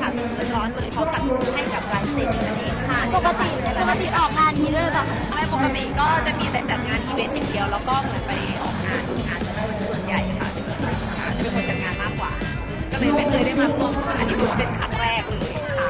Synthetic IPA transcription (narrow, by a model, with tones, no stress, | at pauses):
kʰa˥˩so˧˩˧nɾɔː˨˦˥nlɤː˧jpʰɔ˧˥ka˨˩t̚ha˥˩jka˨˩p̚ɾaː˨˧˥nse˨˩t̪̚ʔa˧neː˧˩t͡ɕʰaː˥˩o˨˩ka˧t̪i˨˩˦o˨˩kːa˧t̪i˨˩ʔɔː˨˩k̚naː˧˩˧niː˧˦ɾu˥˩ə˧ba˨˩ | ma˥˩po˨˩kːa˧t̪i˨˩kɔː˥˩t͡ɕa˨˩ʔmiː˧t̪ɛː˨˩t͡ɕa˨˩t̪̚ŋaː˧nʔiː˧we˦˥ni˨˩t̪ʰi˦əwlɛː˦˥wkɔː˥˩mɯ˧˥ənpa˧jʔɔ̰ː˨˩k̚ːa̰ː˧nʔʰu˧˩ŋʔaː˧nsa˨˧˩a˧˩ma˧su˨˩ənja˧jʔa˧˩kʰa˥˩˧t͡ɕa˨˩kɯ˧˩a˧˩˧kʰa̰˧˥˩t͡ɕa˨˩pe˧npʰo˧nt͡ɕa˨˩t̪̚ŋaː˧nmaː˥˩kwa̰ː˨˩ | ka˧la˧˩pe˧nlɤː˧jda˥˩jmaː˥˩k̚laː˨˩˧ʔniː˦˥pʰːpe˧nkʰa˦˥ŋɾɛː˥˩k̚lɤː˧ja˨˧˩kʰa˦˥˩